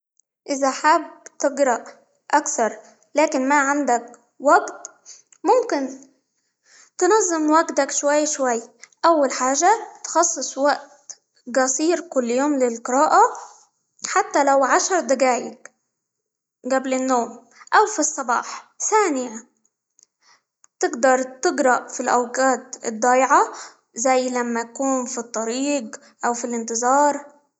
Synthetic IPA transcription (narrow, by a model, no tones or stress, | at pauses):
ʔɪzaħaːb̚t̪ɪɡɾˤɑʔ | ʔakθɑɾˤ | laːkɪnmaʕand̪ak | waɡt̪ | mʊmkɪn | t̪ɪnɑzˤːɨmwaɡt̪akʃwajːaʃwajːʔawːalħaːʒat̪xɑsˤːɨsˤwaʔt̪ | ɡɑsˤiːɾkʊlːjoːmlɪlqɨɾɑːʔa | ħat̪ːalawʕaʃɑɾˤd̪aɡaːjɪk | ɡablɪnːoːm | ʔawfisˤːɑbɑ̰ːħsaːnɪja | t̪ɪɡd̪ɑɾˤt̪ɪɡɾˤɑʔfilʔawqaːt̪ɪ̰d̪ˤːɑːjʕa | zajːlamːajakuːnfit̪ˤːɑɾiːɡ | ʔawfilʔɪnt̪ɨzˤɑːɾˤ